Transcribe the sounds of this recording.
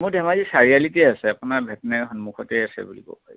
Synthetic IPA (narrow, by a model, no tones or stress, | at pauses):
muɹdʱɛmazisaɹialitɛasɛapunaɹbʱɛtɔnɛɦɔnmukʰɔtɛjasɛ̰bulḭbɔ̰paji